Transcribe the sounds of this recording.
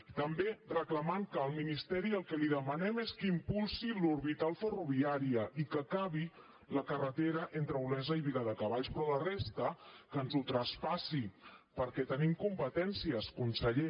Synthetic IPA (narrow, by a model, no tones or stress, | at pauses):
t̪əmberəkləmaŋkəːlˠminist̪ɛɾiəlˠkɛliðəmənɛmeskimpulˠsiluɾβit̪alˠfəruβiaɾiəʔikəkaβi | ləkərət̪eɾəʔent̪ɾəulɛzəiβiləðəkəβaʎspɾɔlərest̪əkənzut̪ɾəspasipəɾkɛt̪ənimkumpət̪ɛnsiəskunsəʎe